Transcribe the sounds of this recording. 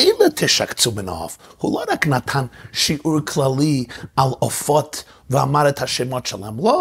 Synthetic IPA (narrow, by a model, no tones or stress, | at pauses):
eɪlˠətʰɪʃa̰kt͡sumɪnɔ̰fhulˠoɾaknatʰanʃiʔuɾkʰlˠalˠialˠɔfɔt | vɪamaɾəthaʃeɪmɔtʃɛlˠamlˠɔ